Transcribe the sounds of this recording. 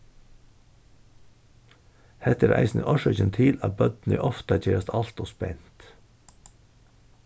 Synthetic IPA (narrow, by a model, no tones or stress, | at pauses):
hɛt̪əɾʔæ̰ɪsn̩̰ʔɔʃɔçɛnt̪ʰiːlɑ̰ːbœd̪n̩ḭːʔɔft̪ɑc͡çeːɾɑst̪ɑlt̪oːspɛnt̪